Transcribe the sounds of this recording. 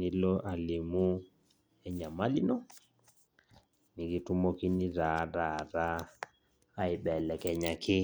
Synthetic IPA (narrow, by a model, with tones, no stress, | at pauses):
ni˦lɔ˦ʔa˨li˨mu˦ | ɛ˦ɲa˨ma˦li˦nɔ˦ | ni˨ɣi˨tu˦mɔ˦ki˦ni˦ɾa˨ɾa˨ɾaː˦ | i˨ɓɛ˨lɛ˨kɛ˨ɲa˨kʰɪ˦